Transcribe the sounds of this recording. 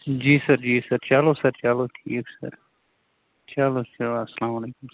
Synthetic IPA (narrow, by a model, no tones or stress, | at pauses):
d͡ʒiːsɐɾd͡ʒiːsɐɾt͡ʃaːlosɐɾt͡ʃaːloʈʰiːksɐ̰ɾ | t͡ʃaːlosaasɐlaːmɐleːkʊm